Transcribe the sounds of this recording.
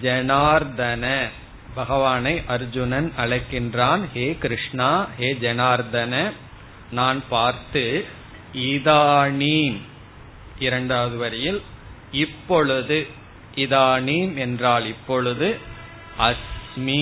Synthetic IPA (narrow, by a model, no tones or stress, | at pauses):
d͡ʒɛnaːɾd̪ɐnɐ | bɐɣɐʋaːnɐɪʔɐɾd͡ʒʊnɐnɐɭɐɪkːɪndraːnheːkɪɾɪʂɳaːheːd͡ʒɛnaːɾd̪ɐnɐ | naːnpaːɾt̪ɯ | ɪðaːniːm | ʔɪɾɐɳɖaːðɯʋɐɾɐjɪl | ɪpːɔɭɯðɯ | ʔɪðaːniːmɛndraːlɪpːɔɭɯðɯ | ʔɐsmi